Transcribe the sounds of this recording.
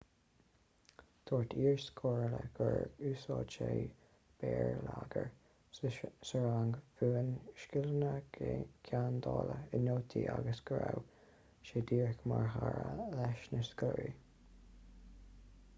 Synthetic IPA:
t̪ʰoːɹt̪ʰiːɹskʰoːɹləɡ̥əɹʉːsɑːt͡ʃeː | b̥ɛːɹlaɡəɹ | səɹaŋɡfuːənʃkɪlənəkʰand̪ɑːləənoːt̪ʰiːʔaɡəsɡ̥ɾaw | ʃeːd̪iːɹkmaɹɦaɹlɛʃnəskəɹi

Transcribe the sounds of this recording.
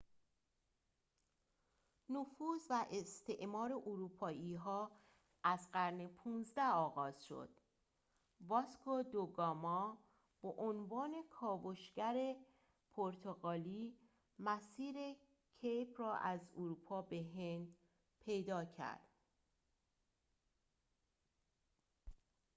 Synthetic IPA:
nofuːzvæʔest̪ʰeʔmɒːɾeʔoɾuːpʰɒːʔiːɦɒː | ʔæzɢæɾnepʰuːnzd̪æɒːɣɒːz̥ʃo̞̰d̪̥̚ | vɒskʰod̪oɡɒːmɒː | b̥ɔʔonvɒːne̞kʰɒːvoʃɡæɾe̞ | pʰoɾt̪ʰoɣɒːliː | mæsiːɾe̞ | cʰejpʰrɒːʔæzoɾupʰɒːbeɦend̪ | pʰe̞jd̪ɒːcʰæ̰ɾd̪̥

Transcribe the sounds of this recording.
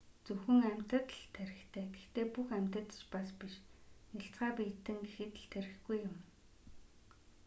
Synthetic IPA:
t͡sɵxɵ̆ŋæm̥ʲt̪ə̆t̪ɮt̪ʰːæɾʲɪ̆xt̪ʰæːɡext̪eːpuxæm̥ʲt̪ə̆t̪t͡ɕpaspiʃnaɬt͡sɢaːpiːt̪ːɘ̆ŋɡexɘ̆t̪̆ɮt̪ʰeɾɪ̆xɡujːʊm

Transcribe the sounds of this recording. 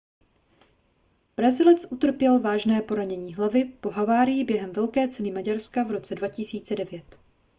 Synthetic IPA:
b̥ɾazɪlɛt͡sʔut̪r̩pjɛlvaːʒnɛːpo̞ɾaɲɛɲiːɦlavɪpo̞ɦavaːɾɪjɪbjɛɦɛmvɛlkɛːt͡sɛnɪmaɟaɾskavɾo̞t͡sɛdvacɪsiːt͡sɛdɛvjɛt̪

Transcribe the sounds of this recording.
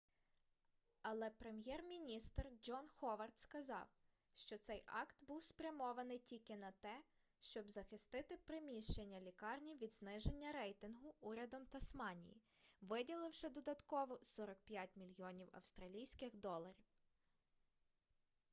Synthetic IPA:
ɐlˠɛpɾemjɛrmʲinʲist̪rd͡ʒɔnxɔʋɐrt̪skɐzɑ̰w | ʃt͡ʃɔt̪sɛjʔɑkt̪buwspɾʲɐmɔʋɐnɪjtʲilʲkɪnɐt̪ɛ | ʃt͡ʃɔbzɐxɪst̪ɪt̪ɪpɾɪmʲiʃt͡ʃenʲːɐlʲikɑrnʲiʋʲid̪znɪʒenʲːɐɾɛjt̪ɪnɦʊuɾʲɐd̪ɔmt̪ɐsmɑnʲḭjḭ | ʋɪdʲilˠɪwʃɪd̪ɔd̪ɐt̪kɔʋɔsɔɾɔk̚pʲjatʲmʲilʲjɔnʲiwɐ̰wst̪ɾɐlʲijsʲkɪxd̪ɔlˠɐɾʲiw

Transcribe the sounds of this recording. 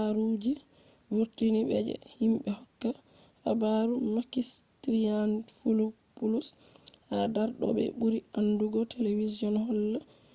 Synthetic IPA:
aɾud͡ʒi | wuɾtinibɛ̰d͡ʒɛ̰himɓɛhɔkːa | ʔa̰baɾumakistɾianfulu | pulus | hadaɾɗɔ̰bɛ̰buɾianduɡɔteleviziɔnhɔlːa

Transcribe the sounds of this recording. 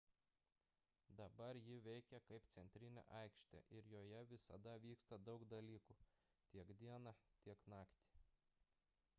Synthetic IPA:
d̪ɐbɐɾjɪʋʲɛɪkʲɛkɐɪpt̪sʲɛnʲt̪ʲɾʲɪnʲɛ̰ʔɐɪkʃʲt̪ʲḛːʔɪɾjoːjɛʋʲɪsɐ̰d̪ɐʋʲiːkst̪ɐd̪ɒʊkd̪ɐlʲiːku | t̪ʲiɛkd̪ʲiɛnɑt̪ʲiɛknɑːkt̪ʲi̥ˑ

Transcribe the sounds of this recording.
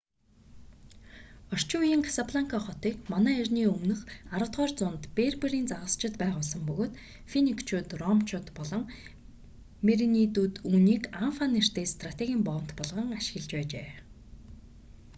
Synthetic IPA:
ɔr̥t͡ɕʊjĭŋkʰḁsapʰɮaŋkʰaχɔt̪iːkmanæːirʲniːɵmnɵ̆χaɾə̆wt̪ʁœːrt͡sʊnt̪peːrpeɾiːnt͡saʁə̆st͡ɕɪ̆t̪pæːʁʊːɮs̬ə̆mpɵɣoːt̪ | finikt͡ɕʰuːt̪rɔmt͡ɕʰʊːt̪pɔɮɞ̆ŋ | meɾinit̪uːt̪uːniːkanfaner̥t̪eːst̪ʰrat̪ʰeɣʲiːmpɔw̆n̥t̪pɔɮʁə̆ŋaʃɪ̆ɣɘ̆ɮt͡ɕpæːt͡ɕeː

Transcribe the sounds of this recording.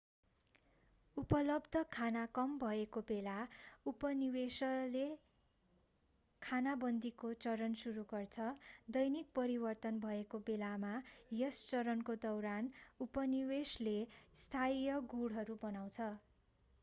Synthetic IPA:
upʌlʌbd̪ʱʌkʰanakʌmbʱʌekobelaupʌniwesʌle | kʰanabʌnd̪ikot͡sʌɾʌnsuɾuɡʌrt͡sʰʌd̪ʌjnik̚pʌɾibʌrt̪ʌnbʱʌekobelamajʌst͡sʌɾʌnkod̪ʌwɾanupʌniweslest̪ʰajʌɡuɽɦʌɾubʌnaw̃t͡sʰʌ

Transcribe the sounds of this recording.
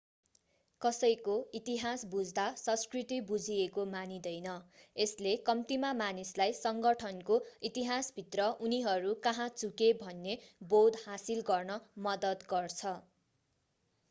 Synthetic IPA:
kʌsʌjkoit̪iɦasbud͡zd̪asʌ̃skrit̪ibud͡zʱiekomanid̪ʌjnʌeslekʌmt̪imamanislajsʌŋɡʌʈʰʌnkoit̪iɦasbʱit̪rʌʔuniɦʌɾukʌɦãt͡sukebʱʌnːebod̪hasilɡʌrnʌmʌd̪ʌd̪ɡʌrt͡sʰʌ

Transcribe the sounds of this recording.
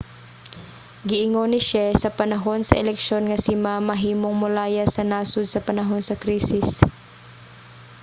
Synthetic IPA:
ɡɪʔɪŋonɪʃasɐpɐnɐɦo̞nsɐ̰ʔɛlɛkʃo̞nŋɐsɪmamɐɦiːmoŋmʊlaːjasɐnaːsʊd̪̚sɐpɐnɐɦo̞nsɐkɾiːsɪs

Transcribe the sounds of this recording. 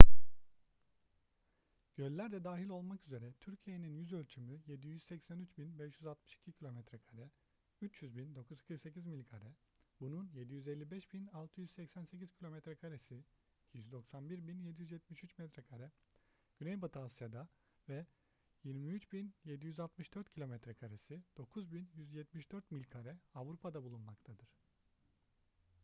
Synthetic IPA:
ɟ̥ølʲːæɾd̪ɛd̪aːɦilʲo̞lˠmakyze̞ɾɛt̪ʰyɾcʰije̞ninjyzølʲt͡ʃʰymyje̞d̪ijyzsɛcsænyt͡ʃbinbɛʃjyzalˠt̪mɯ̥ʃi̥cʰicʰilʲo̞mɛt̪ɾɛkʰaɾɛ | yt͡ʃʰjyzbind̪o̞kʰuzkʰɯɾkse̞cʰizmilʲikʰaɾɛ | bununjed̪ijyzelʲːibɛʃbinalˠt̪ʰɯjyzsɛcsænse̞cʰiz̥cʰilʲo̞mɛt̪ɾɛkʰaɾesi | icʰijyzd̪o̞ksanbiɾbinjed̪ijyzjɛt̪̚miʃyt͡ʃmɛt̪ɾɛkʰaɾɛ | ɟ̥ynɛjbat̪ʰalˠsjad̪a | vɛ | jiɾmiyt͡ʃbinje̞d̪ijyzalt̪mɯʃd̪øɾt̪cʰilʲo̞mɛt̪ɾɛkʰaɾesid̪̥o̞kʰuzbinjyzjɛt̪miʃd̪øɾt̪milʲkʰaɾɛavɾupʰad̪abulˠunmakt̪ʰad̪ɯɾ̥

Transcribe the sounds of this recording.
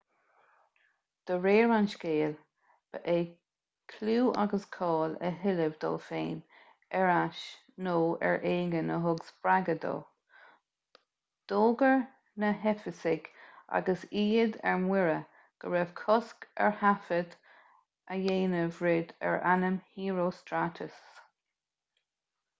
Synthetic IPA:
d̪̥əɹeːɹanʃkeːl | b̥əʔeː | kʰluːʔa̰ɡəskʰɑːlə̰ɦɪləvd̪ɔ̰ːlfeːn | ɛɹaʃ | noːɛ̰ɹʔeːɡənəɦʊɡsb̥ɹaɡəd̪o̰ː | d̪̥oːɡəɹ | nəɦɛfəsɪɡʔa̰ɡəsiːd̪ɛ̰ɹmwɪɹə | ɡ̥əɹɛv̥kʰɔskɛ̰ɹhafəd̪ | əjeːnəvɹɪd̪ɛ̰ɹʔanəmhiːɹoːstɾat̪ʰəs

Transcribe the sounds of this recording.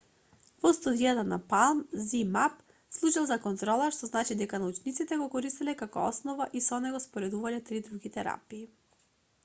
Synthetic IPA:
vɔst̪ud̪ijat̪anapalˠmzimap | slˠut͡ʃalˠzakɔnt̪ɾɔlˠaʃt̪ɔznat͡ʃid̪ɛkanaut͡ʃnit̪sit̪ɛɡɔkɔɾist̪ilɛkakɔ̰ɔsnɔvaʔisɔnɛɡɔspɔɾɛd̪uvalɛt̪ɾid̪ɾuɡit̪ɛɾa̰piː

